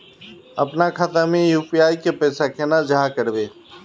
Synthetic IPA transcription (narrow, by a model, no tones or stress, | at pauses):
əpnaːkʰaːt̪amẽjuːpiaːikepɛːsaːkʰeːnaːd͡ʒaːkəɾʋeː